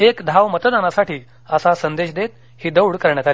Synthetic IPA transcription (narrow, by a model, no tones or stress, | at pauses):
ekd̪ʱaʋmət̪d̪anasaʈiː | əsasənd̪eɕd̪et̪ | hiːd̪əwɽkəɾɳjaka